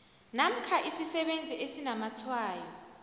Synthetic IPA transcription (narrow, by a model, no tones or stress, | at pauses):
nam̩kʰaʔisisɛɓend͡zʱiʔesinamatʰwaːjɔ